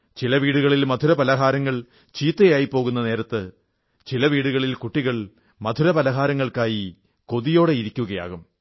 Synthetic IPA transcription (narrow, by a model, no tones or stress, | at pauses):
t͡ɕilɐʋiːɽuɣɐɭilmɐd̪ʱuɾɐbɐlɐɦaːɾɐŋːɐɭ | t͡ɕiːt̪ːejaːjipːo̞ːɣunːɐne̞ːɾɐt̪ːɨ | t͡ɕilɐʋiːɽuɣɐɭilkuʈːiɣɐɭ | mɐd̪ʱuɾɐpɐlɐɦaːɾɐŋːɐɭkaːji | ko̞ðijo̞ːɽe̞iɾikʲːuɣɐja̰ːɣum